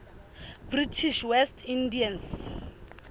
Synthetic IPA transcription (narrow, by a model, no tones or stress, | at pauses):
britʰiʃwɛstʰindians